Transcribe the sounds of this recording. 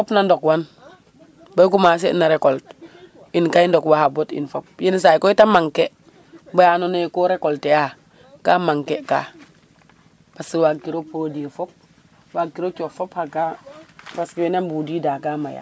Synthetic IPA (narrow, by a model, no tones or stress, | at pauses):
fopnandokwan | bajk̬umas̬enaɾekolt | inkaindokwahabotḭnfop̚jins̬ajkoitamaŋke | bajanonekoɾekolteja | kaːmaŋkeka̰ː | b̥askiwakiɾopodifop̚ | waɡiɾot͡ʃofophaɡabaskiwenambudidaːkamaja̰